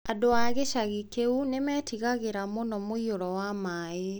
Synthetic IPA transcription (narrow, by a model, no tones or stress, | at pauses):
adoaɣeʃaɣikeunemɛːtiɣaɣeɾamonɔmoioɾɔwamae